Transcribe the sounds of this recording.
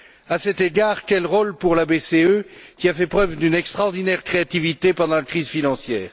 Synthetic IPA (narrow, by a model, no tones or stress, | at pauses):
asɛt̪eɡaʁkʲɛlʁolpuʁlabeseøkʲiafɛpχœvd̪ynɛkst̪χɔʁd̪inɛʁkχeat̪ivit̪epɑ̃d̪ɑ̃lakχizfinɑ̃sjɛːʁ